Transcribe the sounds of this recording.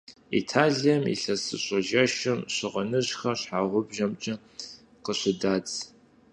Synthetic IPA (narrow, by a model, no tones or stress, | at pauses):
ḭtʰaːɮijɐmḭɬɐsɨɕʼɐʒɐʃɪmɕɪʁɐnɨʑxɐɬħaːʁʷʊbʒɐmt͡ʃʼɐ | qəɕʷɪdaːt͡sʼ